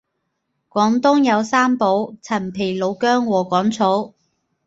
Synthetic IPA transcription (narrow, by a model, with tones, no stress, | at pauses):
kʷɔː˨˥ŋt̪ʊ˥ŋjɐ˨˧wsaː˥mpo˨˥wt͡sʰɐ˨˩npʰe˨˩jlo˨˧wkœː˥ŋwɔː˨˩kɔː˨˥ŋt͡sʰo˨˥w